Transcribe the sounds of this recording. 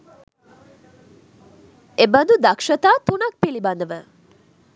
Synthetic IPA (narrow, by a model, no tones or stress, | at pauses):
ebənd̪ud̪ɐkʂət̪aːt̪unɐk̚piliband̪əʋə